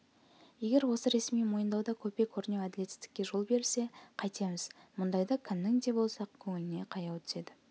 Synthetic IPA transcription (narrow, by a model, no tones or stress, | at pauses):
je̞ɡʲe̞ɾwo̞səɾe̞smijmo̞jənd̪ɑwd̪ɑkʲʰɵpe̞kʲʰɵɾnewæd̪ɪle̞t̪ːɪ̥st̪ɪ̥kʲːe̞ʒolˠbe̞ɾse̞qʰɑjt̪ʰemɪzmʊnd̪ɑjd̪ɑkʲʰɪnːɪŋd̪e̞bo̞lˠsɑq̚kʲʰɵŋɪlɪne̞qʰɑjɑwt̪ʰʏ̥ze̞d̪ɪ